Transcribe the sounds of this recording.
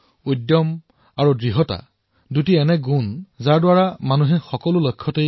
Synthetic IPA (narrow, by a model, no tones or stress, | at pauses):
ujdːjɔm | aɹudɹiɦɔta̰ | dutiɛnɛɡunzaɹdwaɹamanuɦɛxɔkɔlʊlojkʰːɔtej